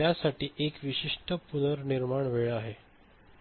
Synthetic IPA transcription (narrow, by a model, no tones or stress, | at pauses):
jasaʈiːʔekʋiɕiʂʈəpunəɾniɾmaɳʋeɭaɦe